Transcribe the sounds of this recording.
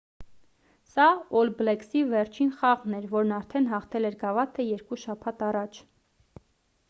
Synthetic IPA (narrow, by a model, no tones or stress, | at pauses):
sɑɔlblɛksivɛɾt͡ʃʰinχɑʁnɛɾvɔɾnɑɾt̪ʰɛnɦɑχt̪ʰɛlɛɾɡɑvɑt̪ʰəjɛɾkuʃɑpʰɑt̪ɑrɑt͡ʃʰ